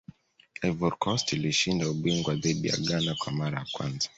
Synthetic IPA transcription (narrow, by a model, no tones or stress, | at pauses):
ɛvɔɾkʰɔstiliʃindauɓiŋɡwaðiɗija̰ɠanakwamaɾajakwa̰nzḁ